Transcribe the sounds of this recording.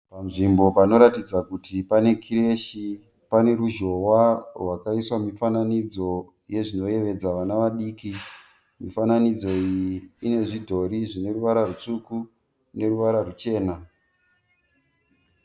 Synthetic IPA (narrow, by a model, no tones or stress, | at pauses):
pam̩ʐimbo̞pano̞ɾatid͡zakutipane̞kʰiɾe̞ʃi | pane̞ɾuʒo̞warwakaiswamifananid͡zo̞ | je̞ʐino̞je̞ʋe̞d͡zaʋanaʋaɗiːki | mifananid͡zo̞ijiːne̞ʐidʱo̞ɾiʐine̞ruʋaɾarut͡ʂuku | ne̞ruʋaɾarut͡ʃe̞ːna